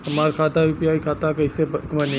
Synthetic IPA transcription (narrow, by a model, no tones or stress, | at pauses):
ɐmaːɾkʰaːt̪aupijaːikʰaːt̪akɐisemɐne